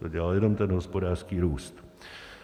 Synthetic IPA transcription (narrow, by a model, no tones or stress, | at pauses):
oɟɛlaljɛno̞mt̪ɛnɦospodaːrskiːɾuːst̪